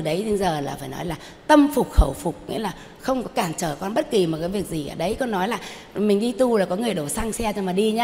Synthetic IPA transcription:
ɨ˨˩ɗə˨˦je˧jzəː˨˩laː˨˩faː˧˩jnɔ̰˨˦jlaː˨˩ | t̪ə˧mfʊ˨˩k͡p̚xə˧˩wfʊ˨˩k͡p̚ŋḭ˧˥˦laː˨˩ | xə˧wŋ͡mkɔ˨˦kaː˧˩nt͡ɕəː˧˩kɔ˧nɓə˦˥t̚ki˨˩mɔ˨˩t̚kaː˨˦vi˨˩ək̚zi˨˩ʔəː˧˩ɗə˨˧˦jkɔ˨˧˦nːɔ˨˦jlaː˨˩ | mï˨˩ŋ̟ɗi˧t̪u˧laː˨˩kɔ˨˦ŋɨ˨˩əjɗo˧˩sa˧ŋsɛ˧t͡ɕɔ˧maː˨˩ɗi˧ɲaː˧

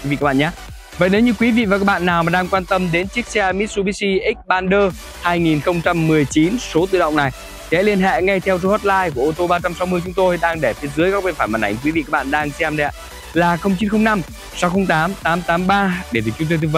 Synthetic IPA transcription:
kwi˨˦vḭ˧˨ka˦˥ɓ̰ːɲaː˨˦ | və̰˧˨jne˨˦wɲɨ˧kwi˨˦vḭ˧˨va˨˩ka˦˥k̚ɓa̰ː˧˨nːaː˨˩wmaː˨˩ɗaː˧ŋkwaː˧nt̪ə˧mɗe˨˦nt͡ɕi˦˥ək̚t͡ɕɛ˧mi˦˥t̚su˧ɓi˦˥si˧ʔi˦˥k̚ɓaː˧nɗəː˧ | haː˧jŋi˨˩nxə˧wŋ͡mt͡ɕa˧mːɨ˨˩əjt͡ɕi˨˦nso˨˦t̪ɨ̰˧˨ɗə̰˧˨wŋ͡mna˨˩j | kɛ̰˨˧˥li˧ənɦɛ̰˧˨ŋa˧jt̪ʰɛ˧wzə˧hɔ˦˥t̚laː˧jku˧˩əʔo˧t̪o˧ɓaː˧t͡ɕa˧msa˨˦wmɨ˧əjt͡ɕʊ˨˦ŋ͡mt̪o˧jɗaː˧ŋɗe˧˩fi˨˦ənzɨ˨˦əjkaː˦˥k̚ɓe˧nfaː˧˩jma̰˨nʔa˧˩ŋkwi˨˦vḭ˧ka˦˥ɓa̰ː˧˨nɗaː˧ŋsɛ˧mɗɛ˧˦˥ | laː˨˩xə˧wŋ͡mt͡ɕi˨˦nxə˧wŋ͡mna˧m | sa˨˦wxə˧wŋ͡mt̪aː˨˦mt̪aː˨˦mt̪aː˨˦mɓaː˧ɗe˧˩t̪ɨ˨˩k̚t͡ɕʊ˨˦ŋ͡mt̪o˧t̪ɨ˧˩k̚və˧˨˦

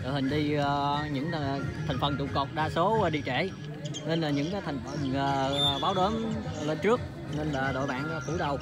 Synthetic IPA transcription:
ɗo̰˨jhï˨˩ŋ̟ɗi˧əː˧ɲɨ̰˧˥ŋ˨t̪ʰɛ˨˩ŋ̟fə˨˩nt͡ɕ̪ṵ˧˨kɔ˨˩k͡p̚ɗaː˧so˨˦˨ɗi˧t͡ɕɛ˧˩ | ne˧nlaː˨˩ɲɨ̰˧˥ŋkaː˨˦jt̪ʰa˨˩ŋ̟fə˨˩nəː˨˩˨ɓaː˨˦wɗəː˨˦nle˧nt͡ɕɨ˦˥ək̚ | ne˧nlaː˨˩ɗo̰˧˨jɓa̰ː˧˨nː˨˩k̪ɨ˧˦jɗə˨˩w

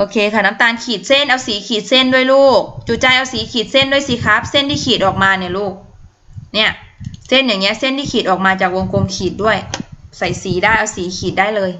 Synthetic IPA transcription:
ʔoː˧kʰeː˧kʰa˧˩na˧˥mt̪aː˧nkʰiː˨˩t̪̚se˧˥˩nʔa˧wsiː˨˦kʰiː˨˩t̪̚se˧˥˩ndu˥˩əjluː˥˩k̚t͡ɕuː˧˩t͡ɕaː˧˩jʔa˧wsiː˨˦kʰiː˨˩t̪̚se˥˨ndu˥˩əjsiː˨˦kʰa˦˥p̚se˥˨nt̪iː˧˥˩kʰiː˨˩t̪̚ʔɔː˨˩k̚maː˧ni˧˩˨luː˥˩k̚ | ni˧˥˩ɐ | se˧˥˩njaː˨˩ŋi˧˦˥ɐ˨se˥˨nt̪ʰiː˧˥kʰiː˨˩t̪̚ʔɔː˨˩k̚maː˧t͡ɕaː˨˩k̚wo˧ŋkʰo˧mkʰiː˨˩t̪̚du˥˩əjsa˨˩˦jsiː˨˦daː˥˩jʔa˧wsiː˨˦kʰiː˨˩t̪̚daː˥˩jlɤː˧j

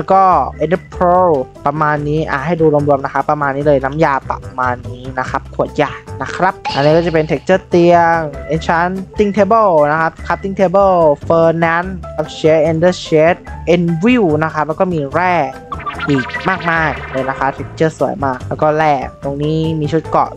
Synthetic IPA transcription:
llːɛ˦˥wkɔː˥˩ʔe˧ndpʰo˦˧˥pa˧maː˧nːiː˦˥ʔa̰˧˩ha˥˩jduː˧ɾu˧əmɾu˧əmna˦˥kʰa˦˥pːɾa˧maː˧nːiː˦˥lɤː˧jna˦˥mjaː˧pa̰˨˩p̚maː˧nːiː˦˥na˦˥kʰa˦˥p̚kʰu˨˩ət̪̚jaː˨˩na˦˥kʰɾa˦˥p̚ʔa˧nː˦˥kɔː˥˩t͡ɕa˨˩pe˧nt̪ʰe˦˥k̚t͡ɕɤː˥˩t̪i˧əŋʔe˧nt͡ɕʰa˦˥nt̪i˥˩ŋt̪ʰeː˦˧˥bɤ˥˩wna˦˥kʰa˦˥p̚kʰa˧˦˥p̚t̪i˥˩ŋt̪ʰe˦˥bɤ˥˩lfɤː˧nɛ˦˥na˦˥p̚ɕe˦˥ʔe˧ndə˥˩ɕe˦˥t̪̚ʔe˧nwi˥˩wna˦˥kʰɾa˦˥p̚lɛ˦˥kɔː˥˩miː˧ɾɛː˥˩ | ʔiː˨˩k̚maː˥˩k̚maː˥˩jlɤː˧jna˦˥kʰa˦˥t̪ʰe˦˥k̚t͡ɕɤː˥˩su˨˩˦jmaː˥˩k̚lɛː˦˥wkɔː˥˩lɛː˥˩k̚t̪o˧ŋniː˦˥miː˧t͡ɕʰu˦˥t̪̚kɔ̰˨˩

